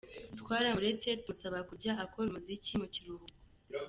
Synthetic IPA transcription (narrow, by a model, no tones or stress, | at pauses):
twaːɾamuɾe̞t͡se̞tumusaβakuɾɟaʔako̞ɾumuzicimuciɾuɡ